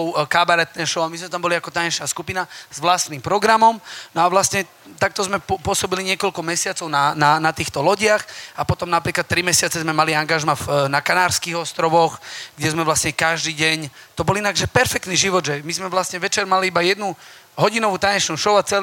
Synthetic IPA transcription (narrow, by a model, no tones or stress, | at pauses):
kabaɾɛt̪nɛʃɔʊamizmɛt̪ambɔliakɔt̪aɲɛt͡ʃnaskupinaz̥ʋlast̪niːmpɾɔɡɾamɔmnɔaʋlasɲɛ | t̪ak̚t̪ɔzmɛpʊɔsɔbiliɲɪɛkɔlkɔmɛsɪat͡sɔʊnananat̪iːxt̪ɔlɔɟɪaxapɔt̪ɔmnapɾiːklat̪ːɾimɛsɪat͡sɛzmɛmaliaŋɡaʒmafnakanaːɾskiːɣɔst̪ɾɔʋɔxɡɟɛzmɛʋlasɲɛkaʒd̪iːɟɛɲ | t̪ɔbɔlinaɡʒɛpɛɾfɛkt̪niːʒiʋɔd̪ʒɛmizmɛʋlasɲɛʋɛt͡ʃɛɾmaliibajɛd̪nu | ɦɔɟinɔʋuːt̪aɲɛt͡ʃnuʃɔʊat͡sɛl